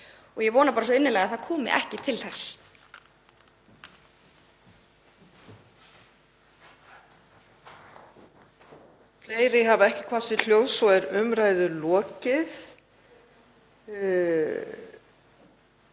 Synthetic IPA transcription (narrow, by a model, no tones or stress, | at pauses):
ɔɣjɛvɔːnapaːɾas̬ɔɪnːɪnlɛːɣaðθaðkʰɔːmɪ̰ʔɛ̰hcɪt̪ʰɪlθɛsː | fleːjɾɪɦavɛhcɪkʰvḁsɪl̥jowvsɔɛɾʏmɾaːjðʏlɔːcɪθ